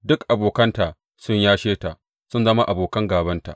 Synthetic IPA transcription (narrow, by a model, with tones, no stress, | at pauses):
dʊ˦kʔa˨boː˨kɐ˦nta˨ | sʊ˦ɲjaː˦ʃeː˦ta˨ | sʊ˦nzɐ˦ma˦ʔa˨boː˨kɐ˦ŋɡaː˨bɐ˦nta̰˨ʔ